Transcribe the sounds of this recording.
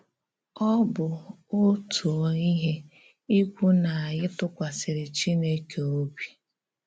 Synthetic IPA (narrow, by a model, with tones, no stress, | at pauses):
ɔ˦bʊ˨ | o˦tu˨ɔ˨i˦ɦe˦ | i˦kʷu˦na˨a˨ɣɪ˦tʊ˦kʷa˨sɪ˨ɾɪ˨t͡ʃi˦ne˦ke˨o˦bi˦